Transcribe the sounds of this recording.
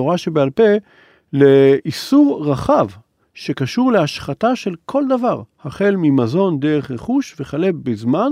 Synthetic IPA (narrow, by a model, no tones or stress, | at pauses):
oʁaʃebealpe̞ | leisuʁʁaχav | ʃe̞kaʃuʁleaʃχataʃe̞lkʰo̞ld̪avaʁhaχe̞lmimazo̞nd̪eʁeχʁeχuʃveχale̞bezman